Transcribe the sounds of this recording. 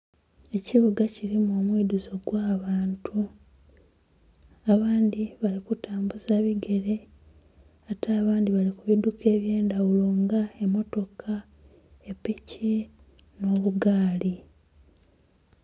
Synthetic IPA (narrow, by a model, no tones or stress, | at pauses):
e̞ciβuɡaciɾimoːmwiːduzo̞ɡwaːβaːntʰu | aβaːndiβalikutaːmbuzeːβiɡe̞ɾe̞ | ataːβaːndiβalikuβidukʰe̞ːβje̞ːndawulo̞ŋɡaemo̞to̞kʰa | epici | no̞ːβuɡaːli